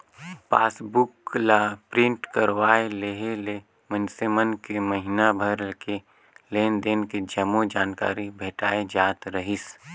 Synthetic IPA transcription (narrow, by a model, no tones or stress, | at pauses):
paːsbʊklapɾɪ̃ɳʈkəɾwaːeleɦele | mənsemənkeməɦɪnabʱəɾlke | leːnd̪eːnked͡ʒəmod͡ʒaːnka̰ːɾibʱeːʈaːed͡ʒaːt̪ɾəɦɪs